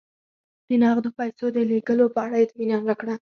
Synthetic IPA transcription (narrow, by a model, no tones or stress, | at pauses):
d̪̥ənɑɣd̪əpajsod̪əleɡəlopəaɽaɪt̪minɑnɾakɽa